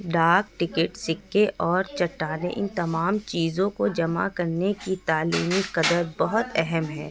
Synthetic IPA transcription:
ɖaːk̚ʈɪkəʈsɪkːeʔɔːɾt͡ʃɐʈːaːnḛʔɪnt̪ɐmaːmt͡ʃiːzõkod͡ʒɐma̰kɐɾnekit̪aːliːmiqɐd̪əɾbɐɦʊt̪ɛɦɛmɦɛː

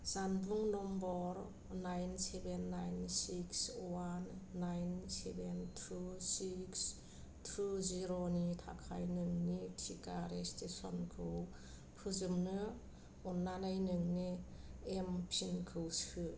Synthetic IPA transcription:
zanbuŋnɔmbɔɾ | najnsebenːajnsikswanːajnsebentʰusiks | tʰuziɾonitʰa̰kʰa̰jnɯŋnitʰikaɾestesɔ̰nkʰɯw | pʰɯzɯmnɯ | ɔnːanajnɯŋniempʰinkʰɯwsɯ

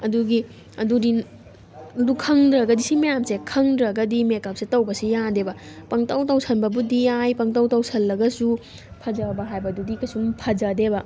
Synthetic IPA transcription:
ɐduɡi | ɐdudi | lukʰɐŋdɾɐɡɐdisimɐjamsekʰɐŋdɾɐɡɐdimekɐp̚sitɐwbɐsijandebɐpɐŋtawtawsɐnbɐbudiajpɐŋtawtawsɐlːɐɡɐsu | pʰɐd͡ʒɐbɐɦajbɐdudikɐsumpʰɐd͡ʒɐdebɐ

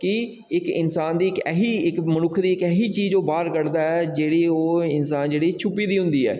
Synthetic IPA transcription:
kɪ | ɪkɪnsaːnd̪iːɪkɛːɦiːɪkmənʊkʰd̪iːɪkɛːɦiːt͡ʃiːzoːbaːɾkəɽd̪aːɛːd͡ʒeːɽiːoːɪnsaːnd͡ʒeːɽiːt͡ʃʰʊpiːd̪iːɦʊ̃nd̪iːɛ̰ː

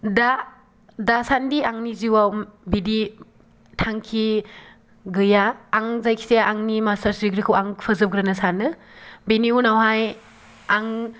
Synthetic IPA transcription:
da | dasandiaŋniziwawbidi | tʰaŋkʰi | ɡɯjaːŋzajkʰi̥seaŋnimasaɾsɾiɡɾikʰɯwaŋpʰɐzɯp̚ɡɾanɐsanːɯ | beniunawɦaj | aŋ

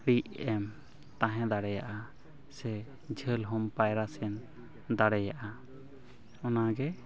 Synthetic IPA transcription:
ɾiʔɛm | t̪ãɦɛ̃d̪aɽɛjaʔa | sɛ | d͡ʒʱəlɦɔmpajɾasɛn | d̪aɽɛjaʔa | ɔnaɡɛ

